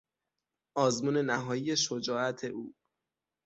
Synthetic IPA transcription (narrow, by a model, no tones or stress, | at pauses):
ʔɒːzmuːne̞næɦɒːjijeʃod͡ʒɒːʔæt̪ʰe̞ʔuː